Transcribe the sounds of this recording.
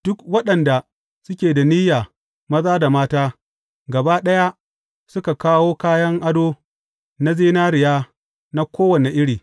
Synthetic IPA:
d̥ʊ˦kwɐ˦ɗɐ˨nda˨ | sʊ˦kʲeː˨da˨niː˦jaː˨ | mɐ˦zaː˦da˨maː˦taː˦ | ɡɐ˨baː˦ɗɐ˦ja˦ | sʊ˦ka˨kaː˦woː˦kaː˦jɐ˦ŋʔa˦doː˦ | na˦zeː˦naː˦ɾɪ˨jaː˦ | na˦kʷoː˦wɐ˨ne˨ʔɪ˦ɽiː˨

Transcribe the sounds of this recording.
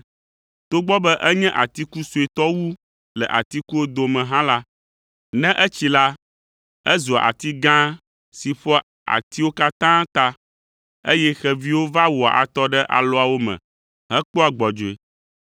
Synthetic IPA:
t̪o˦ɡ͡bɔ˦bɛ˦ʔɛ˦ɲɛ̃˦ʔa˨t̪i˦ku˦su˨e˨t̪ɔ˦wu˦ | lɛ̰˨ʔa˨t̪i˦ku˦wo˦d̪o˨mɛ̃˨ɦã˦la˦ | nɛ̃˦ʔɛ˦t͡ɕi˦la˦ | ɛ˦zo˨a̰˨ʔa̰˨t̪i˦ɡã˦ | si˨ɸɔ˦ | a̰˨t̪i˦wo˦ka˦t̪ã˦t̪a˦ | e˦jɛ˦xɛ˨vi˦wo˦va˦wo˨a˨ʔa̰˨t̪ɔ˦ɖɛ˦ʔa̰˨lɔ˦a˨wo˦mɛ̰̃˨ | ɦɛ˦k͡po˦a˨ɡ͡bɔ˨d͡ʒo˨e˨

